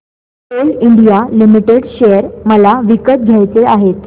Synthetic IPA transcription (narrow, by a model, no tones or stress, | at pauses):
eliɳɖijalimiʈeɽɕejəɾməlaʋikət̪̚ɡʱjajt͡seaɦet̪